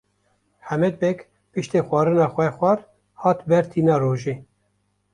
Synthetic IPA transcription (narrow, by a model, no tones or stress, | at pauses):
ħæmɛd̪̚bɛk | pɨʃt̪eːxʷɑːɾɨnɑːxʷɛxʷɛr | hɑːt̪bɛɾt̪ʰiːnɑːɾoːʒeː